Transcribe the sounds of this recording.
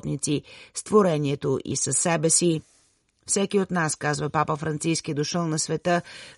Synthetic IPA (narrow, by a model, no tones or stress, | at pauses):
t̪nit̪sist̪voɾɛniɛt̪oʔḭsɐsːɛbɛsi | fsɛkiot̪naskazvəpapəfɾɐnt̪siskid̪oʃəlˠnɐsvɛt̪ə